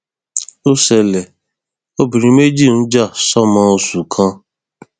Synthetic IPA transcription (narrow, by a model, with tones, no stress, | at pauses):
o˦se˨le˨ | o˦bi˨ɾi˨me˦d͡ʒi˦˨n̩˦d͡ʒa˦˨sɔ˦mã˦o˦su˨kʰã˦